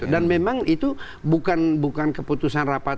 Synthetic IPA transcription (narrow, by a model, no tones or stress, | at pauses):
udanmemaŋit̪u | bukanbukankəput̪usanrapa